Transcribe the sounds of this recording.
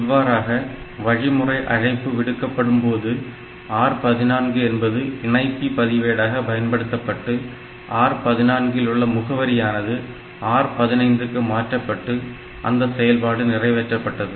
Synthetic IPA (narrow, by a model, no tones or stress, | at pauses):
ɪʋːaːɾaːɣɐ | ʋɐɻɪmɯrɐɪʔɐ̰ɻɐɪpːɯʋɪɽɯkːɐpːɐɽɯmpoːðɯ | aːɾpɐðɪnaːnɡɯɛnbɐðɯɪɳɐɪp̪ːipɐðɪʋeːɽaːɣɐpɐjɐnpɐɽɯt̪ːɐpːɐʈːɯ | ʔaːɾpɐðɪnaːnɡɪlʊɭːɐmʊɣɐʋɐɾɪjaːnɐðɯ | aːɾpɐðɪnɐɪnd̪ɯkːɯmaːʈrɐpːɐʈːɯ | ʔɐ̰nd̪ɐsɛjɐlpaːɽɯnɪrɐɪʋɛʈrɐpːɐʈːɐðɯ